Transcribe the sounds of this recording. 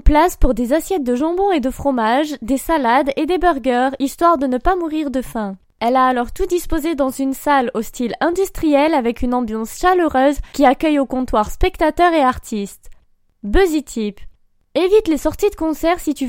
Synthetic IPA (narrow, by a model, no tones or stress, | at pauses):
plaspuʁd̪ezasjɛt̪̚d̪əʒɑ̃bɔ̃ed̪əfχɔmaʒd̪esalad̪ed̪ebœʁɡœʁist̪waʁd̪ənəpamuʁiʁd̪əfɛ̃ | ɛlaːlɔʁt̪ud̪ispozed̪ɑ̃zynsalost̪ilɛ̃d̪yst̪χijɛlavɛkynɑ̃bjɑ̃sʃaløʁøzkʲiakʲœjokɔ̃t̪waʁspɛkt̪at̪œʁeaʁt̪ʰist̪ | bøzit̪ʰip | evit̪lesɔʁt̪id̪əkɔ̃sɛʁsit̪y